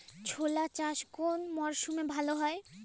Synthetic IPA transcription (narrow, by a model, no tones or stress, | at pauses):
t͡ɕʰolat͡ɕaʃkonmɔɾʃumebʱaloɦɔe